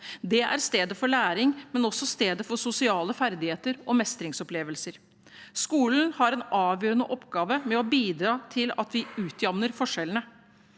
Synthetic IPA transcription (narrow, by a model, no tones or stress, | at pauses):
d̪ɛæ̰ɾst̪eːd̪əfɔɭæːɾɪŋmɛnɔsːɔst̪eːd̪əfɔsʊsɪɑːləfæɾd̪ɪheːt̪əɾɔmɛst̪ɾɪŋsɔpleːʋəlsəɾ | skuːln̩hɑɾɛnɑːʋjøːɾənəʔɔpɡɑːʋəmɛɔbiːd̪ɾɑːt̪ʰɪlɑ̰t̪ʋɪʉːt̪ʰjɑmnəɾfɔʂːɛlnə